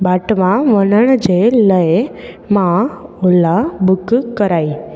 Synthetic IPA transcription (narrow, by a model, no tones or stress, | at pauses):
baʈʋãʋənəɳ̃d͡ʒeləe | mãolabukkəɾai